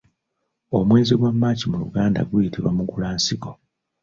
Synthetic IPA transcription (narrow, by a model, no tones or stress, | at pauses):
o̞mwe̞ːziɡwamːaːcimulṵɡaːnda̰ɡujitʰiβwamuɡulaːnsiko̞